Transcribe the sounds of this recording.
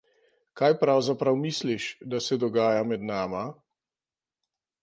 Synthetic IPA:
kajpɾawzapɾawmisliʃd̪asɛd̪ɔɡaːjamɛd̪naːma

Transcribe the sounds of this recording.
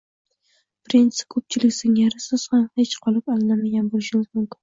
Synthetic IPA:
pɾint̪skʰɵp̚t͡ʃʰɪlɪkʲsɪŋaɾɪsɪz̥hamhet͡ʃqʰɒlˠɪpɒlˠɪnamaɡʲanbolɪʃɪnɪzmʊmkʲʰɪ̥n

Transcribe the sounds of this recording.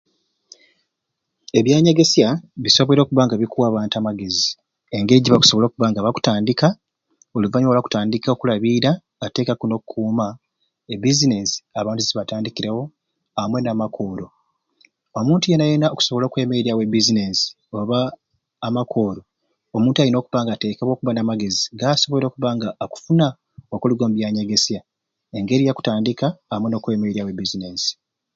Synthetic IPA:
e̞βjaːɲaɡe̞sjaβisoβoɾo̞ːkuβaːŋɡaβikuwaːβaːntamaɡe̞zi | eŋɡe̞ɟiβaku̥so̞βo̞loːkuβaːŋɡaβaku̥taːndika | oluvaɲoolaku̥taːndikaokulaβiɾaː | te̞ːkakuno̞kukʰuːma | ebizinesi̥aβaːntuiβataːndikiɾawo̞ | amwe̞namakʰo̞ɾo̞ | omuːntuje̞najenaoku̥so̞βo̞lo̞ːkwe̞ːme̞iɾiawe̞bizinesi̥ | oβaː | makʰo̞ːɾo̞ː | muːntuaɾino̞ːkuβaːŋɡate̞ːkaβo̞ːkuβanamaɡe̞ziɡaːso̞βoo̞ːkuβaːŋɡaːku̥funa | okuliɡo̞ːmbjaːɲeɡe̞sja | e̞ŋɡe̞ɾijaku̥taːndikaːmweno̞ːkwe̞ːmeɾijawe̞bizinesi̥

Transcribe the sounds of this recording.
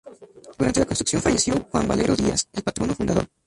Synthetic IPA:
d̪uɾant̪elakost̪uksjonfaʝesjo̞xwa̰mba̰le̞ɾʔo̞ðia̰selpat̪ɾionofund̪aðo̞̰ɾ

